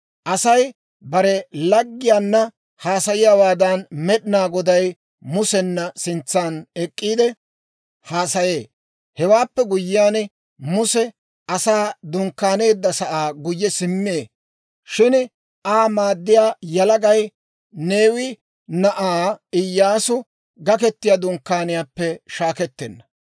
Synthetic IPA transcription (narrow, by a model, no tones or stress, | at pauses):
ʔɐsɐj | bɐɾɛlɐɡːɪjaːnːɐ | haːsɐjɪjaːwaːd̪ɐnmɛɗɪnaːɡɔd̪ɐj | mʊsɛnːɐsɪnt͡sːaːnɛkʼːiːd̪ɛ | haːsɐje̞ː | hɛwaːpːɛɡʊjːɪjaːn | mʊsɛ | ɐsaːd̪ʊŋkːaːne̞ːd̪ːɐsɐʔaːɡʊjːɛsɪmːeː | ʃɪn | ʔaːmaːd̪ːɪjaːjɐlɐɡɐj | ne̞ːwɪ | nɐʔaːɪjːaːsʊ | ɡɐkɛt̪ːɪjad̪ʊŋkːaːnɪjaːpːɛʃaːkɛt̪ːɛnːɐ